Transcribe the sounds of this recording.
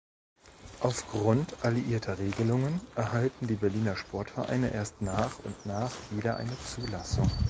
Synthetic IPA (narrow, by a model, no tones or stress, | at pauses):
ʔaʊfɡ̥ʁʊntʰʔaliʔiːɐtʰɐʁeːɡəlʊŋənʔɛɐhaltn̩diːbɛɐliːnɐʃpʰɔɐtfɛɐʔa̰ɪnəʔeːɐstnaːχʊntnaːχv̥iːɾɐʔa̰ɪnət͡suːlasʊŋ